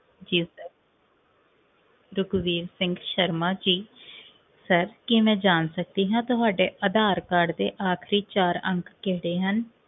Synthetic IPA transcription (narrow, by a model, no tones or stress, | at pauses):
d͡ʒiːsəɾ | ɾʊɡʋiːɾsɪ̃ŋɡʃəɾmaːd͡ʒiː | səɾkɪmɛ̃ːd͡ʒaːnsək̚d̪iːɦãːt̪ʊɦaːɖeːʔəd̪aːɾkəɾɖd̪eːʔaːkʰɾiːt͡ʃaːɾə̰̃ŋkːkeːɽeːɦən